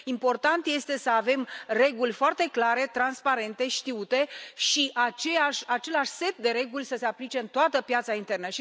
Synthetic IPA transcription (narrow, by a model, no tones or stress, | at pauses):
impo̞rt̪ant̪je̞st̪e̞səave̞mre̞ɡulʲfoart̪e̞klaɾe̞t̪ɾanspaɾe̞nt̪e̞ʃt̪iut̪e̞ʃiʔat͡ʃeaʃat͡ʃe̞laʃse̞t̪̚d̪e̞ɾe̞ɡulʲsəse̞aplit͡ʃe̞ɨnt̪oat̪əpjat̪saint̪e̞rnəʃi